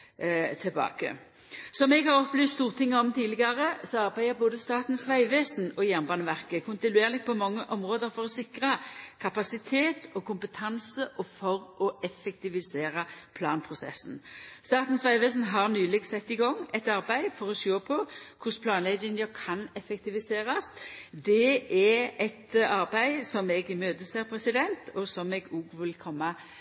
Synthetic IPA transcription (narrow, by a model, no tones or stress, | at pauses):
t̪ʰɪlbɑ̰ːkə̰ | sɔmɛɡhɑʁɔpːlyːst̪st̪uːʁt̪ʰɪŋːəɔmt̪ʰiːlɪɡɑɾəsɔɑʁbæɪəboːd̪əst̪ɑːt̪n̩sʋæɪʋeːsnɔjæʁnbɑːnəʋæʁkəkʰʊnt̪ɪnʉeːʁlɪɡ̚pʰɔmɑŋːəʔɔmʁoːd̪əɾfɔʁɔsɪkʁɑkʰɑpɑsɪt̪ʰeːt̪ɔkʰʊmpət̪ʰɑnsəʔɔfɔʁʔɔʔɛfɛkt̪ɪʋɪseːʁɑpʰlɑːnpʰʁʊsɛ̰sːn̩st̪ɑːt̪n̩sʋæɪʋeːs̬n̩ɦɑʁnyːlɪɡsɛt̪ːɪɡɔŋːɛt̪ɑɾbæɪfɔɾɔsoːpʰɔkʰʊspʰlɑːnlɛɡɪŋəkʰɑnɛfɛk̚t̪ɪʋɪseːɾɑsd̪ɛɛɛt̪ɑɾbæɪsɔmɛɡɪmøːt̪əseːɾpʰɾɛsɪd̪ɛnt̪ʰɔsɔmɛɡuːɡʋɪlkʰɔmːɑ